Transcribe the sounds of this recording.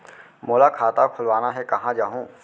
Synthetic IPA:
moːlakʰaːt̪akʰʊlʋaːnaɦɛkɐɦãd͡ʒaːɦũː

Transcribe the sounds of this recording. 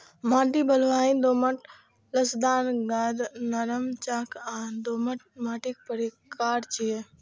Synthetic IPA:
mãːʈ̬ibɐlʋaːĩːd̪oːməʈ | ləsd̪aːnɡad̪nɐɾəmt͡ʃaːkãːd̪oːməʈ̚mãːʈik̚pəɾikaːɾt͡ʃie

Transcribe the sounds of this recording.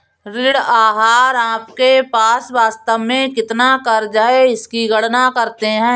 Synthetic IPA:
ɾɪɽaːɦaːɾãːpkepaːsʋaːst̪əʋmẽkɪt̪nakɐɾd͡ʒaːeɪskiɡəɽnakɐɾt̪eɦɛ̃ː

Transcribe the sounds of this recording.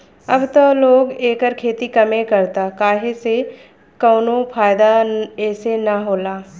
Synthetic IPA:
ɐbt̪oloːɡeːkəɾkʰeːt̪ikɐmẽkɐɾt̪akaːɦese | kɔːnõfʰaːjd̪aɛːsenaɦoːlaː

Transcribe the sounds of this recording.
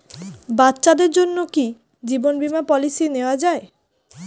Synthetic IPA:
batːɕad̪eɾd͡ʑonːoki | d͡ʑibonbimapɔlisineoad͡ʑae

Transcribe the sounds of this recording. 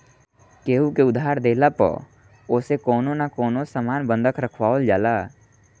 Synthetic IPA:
keːukeʊd̪ʱaːɾd̪eːlapɔ̰ | oːsekoːnonakoːnosamaːnbə̃nd̪ʱəkʰɾəkʰwaːold͡ʒaːlaː

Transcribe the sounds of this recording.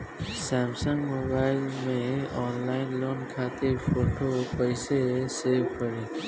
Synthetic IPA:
sɛːmsə̃ŋɡmoːbaːɪlmẽɔːnlaːɪnloːnkʰaːt̪efoːʈoːpəɪseseːʋkəɾeː

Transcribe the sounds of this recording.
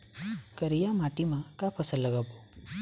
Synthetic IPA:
kəɾijamaʈimakapʰəsəlːəɡabu

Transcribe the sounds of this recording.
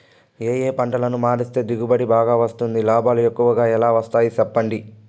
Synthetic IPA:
eːjeːpɐɳʈɐlɐnumaːɾist̪e̞ːd̪iɡubɐɽibaːɡaːʋɐst̪und̪ilaːbaːlue̞kːuʋɐɡaːɛlaːʋɐst̪aːjit͡ʃɛpːɐɳɖi

